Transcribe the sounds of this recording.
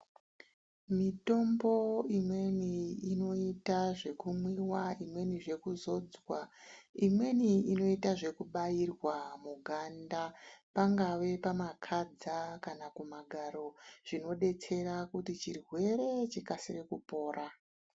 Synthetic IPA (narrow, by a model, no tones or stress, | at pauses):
mito̞mbo̞imwe̞niːno̞itaʐe̞kumwiwaimwe̞niʐe̞kuzo̞d͡zwaimwe̞niino̞itaʐe̞kuɓajirwamuɡʱandapaŋɡaʋe̞pamakʰad͡zakanakumaɡʱaɾo̞ʐ̥ino̞ɗe̞t͡se̞ɾakutit͡ʃirwe̞ɾe̞t͡ʃikasirekupo̞ːɾa